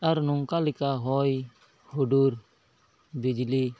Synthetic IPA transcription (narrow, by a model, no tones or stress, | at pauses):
aɾnɔŋkalikaɦɔj | huɖuɾ | bid͡ʒli